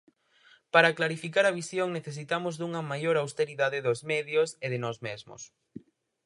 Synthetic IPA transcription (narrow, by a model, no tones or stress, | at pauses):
paɾɐklaɾifikaɾɐβ̞isjoŋneθes̬it̪amʊzðuŋɐmajoɾawst̪eɾiðaðɪðʊzmɛðjoseðɪnɔzmezmʊ̰s